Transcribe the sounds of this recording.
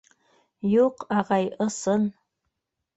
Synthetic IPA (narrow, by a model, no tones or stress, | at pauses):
joqaʁɑjʔəsɨn